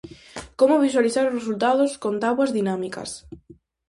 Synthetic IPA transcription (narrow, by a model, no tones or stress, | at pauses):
komʊβ̞iswaliθaɾʊsresult̪aðʊskont̪aβwazðinamikɐ̰s